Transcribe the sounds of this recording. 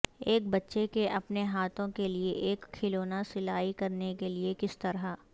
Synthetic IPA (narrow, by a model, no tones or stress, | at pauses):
eːk̚bɐtːʃekeʔɐpneɦaːt̪ʰõkelieʔeːkʰːɪloːnasɪlaːikɐɾnekeliekɪst̪ɐɾa